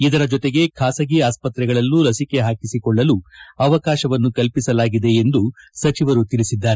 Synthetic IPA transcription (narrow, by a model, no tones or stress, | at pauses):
id̪ɐɾɐd͡ʒɔt̪e̞ɡe̞kʰaːsɐɡiaːspɐt̪ɾɛɡɐɭɐlːulɐsike̞ɦaːkisikɔɭːɐluɐʋɐkaːʃɐʋɐnːukɐlpisɐlaːɡid̪e̞ːnd̪usɐt͡ʃiʋɐɾut̪ilisid̪ːaːɾe